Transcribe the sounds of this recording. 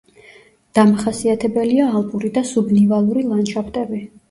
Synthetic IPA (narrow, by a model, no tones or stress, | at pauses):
d̪̥amaχasiat̪ʰɛbɛliaːlˠpʼuɾid̪asubnivalˠuɾilˠanʃapʰt̪ʼɛbi